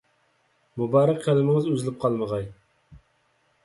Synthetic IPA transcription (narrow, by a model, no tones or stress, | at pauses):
mubɑɾɑq̚ʲqʰælˠɪmɪŋɪzøzɪlɪp̚qʰɑlˠmɨʁɑj